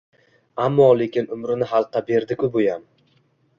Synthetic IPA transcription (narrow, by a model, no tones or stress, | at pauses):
amːɒle̞kʲɪnʊmɾɪnɪɦalˠqːɑbe̞ɾd̪ɪkʲʰʊbojam